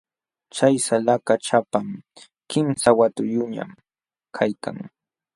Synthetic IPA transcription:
t͡ʃajsalakat͡ʃapam | kɪmsawat̪ʊjʊɲa̰m | kʰajka̰ŋ

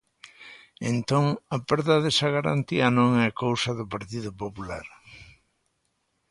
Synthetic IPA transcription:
ḛnt̪oŋapɛɾðaðɛsɐɣaɾa̰nt̪iɐnõŋɛkowsɐðʊpaɾt̪iðʊpopulaɾ

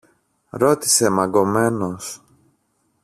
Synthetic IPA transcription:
ɾo̞t̪i̥se̞mɐɡo̞me̞no̞s

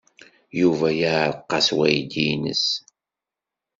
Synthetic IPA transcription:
juvæjaʕɾqːɑswæjd̪inə̰s

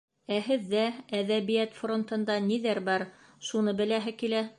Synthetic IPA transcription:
æhɘ̆ðːææðæβijæt̪front̪ɤ̆nd̪ɑniðæɾbɑɾ | ʃunɤbɘ̆læɦɘkilæ

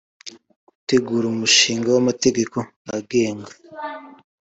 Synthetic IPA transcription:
ɡ̥u̥te̞ɡuːɾuumuʃiːŋɡawamate̞ɡe̞ko̞ | aɡe̞ːŋɡa

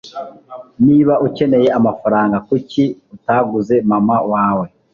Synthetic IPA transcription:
niːβaʔuce̞ne̞je̞amafaɾaːŋɡakuciutaːɡuze̞mamawaːwe̞

